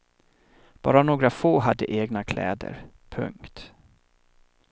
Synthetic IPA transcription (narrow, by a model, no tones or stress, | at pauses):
b̥ɑːɾanoːɡɾafoːɦad̪ːəʔeːɡnakʰlɛ̰ːd̪ə̰ɾ | pʰɵ̰ŋkt̪